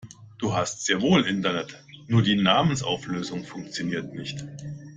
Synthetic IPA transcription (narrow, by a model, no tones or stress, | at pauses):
d̥uːɦastz̥eːɐvoːlʔɪntɐnɛt | nuːɐdiːnaːmənsʔa̰ʊfløːzʊŋfʊŋk̚t͡sjoniːɐtnɪçt